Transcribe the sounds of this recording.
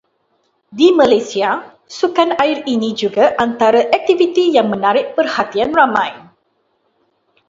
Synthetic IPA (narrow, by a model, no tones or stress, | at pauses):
dimãlajsia | sukanaɪrinid͡ʒuɡaʔant̪aɾaʔɛk̚t̪ivit̪ijaŋmə̃naɾɪʔ̚pərhat̪ianramãj